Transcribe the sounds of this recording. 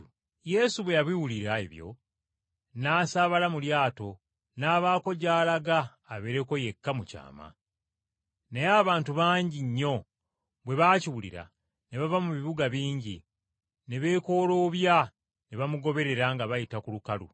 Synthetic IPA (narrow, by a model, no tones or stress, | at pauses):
je̞suβwe̞jaβwiwuliɾaḛβjo̞̰ | naːsaβalamuljaːto̞ | naːβaːko̞ɟaːlaɡaː | βe̞ɾe̞ko̞je̞kːamuca̰ːma̰ | nejaːβaːntuβaːɲɟiɲːo̞ | βwe̞βaːciwulḭɾa̰ | ne̞βavamuβiβuɡaβiːɲɟi | ne̞βe̞ːko̞ːloːβja | neβamuɡo̞βe̞ɾe̞ɾaŋɡaβajitakulukalṵ